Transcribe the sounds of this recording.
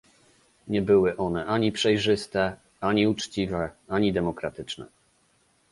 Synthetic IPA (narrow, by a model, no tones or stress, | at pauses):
ɲɛbɘwɘʔɔnɛʔaɲipʂɛjʐɘst̪ɛ | aɲiut͡ʂt͡ɕivɛaɲid̪ɛmɔkɾat̪ɘt͡ʂnɛ̰